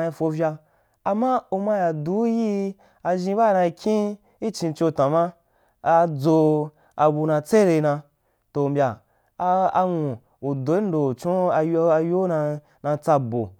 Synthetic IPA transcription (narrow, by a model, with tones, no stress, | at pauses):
a˧i˧fo˧vʲa˧ | a˨ma˦u˧ma˧ja˨du˨˦ji˦ | a˧ʒĩ˧ba˦˧na˧i˧kʲʰĩ˦ | i˦t͡ʃĩ˧t͡ʃo˧tã˨ma˦ | a˧d͡zo˧ | a˧bu˧nã˧t͡se˦ɾe˧nã˧ | to˨mbʲa˨˧ | a˧ŋũ˨ | u˨do˨˦i˦n̩˦do˨t͡ʃõ˦a˧jo˧a˧jo˦na˧ | nã˧t͡sa˧bo̰˨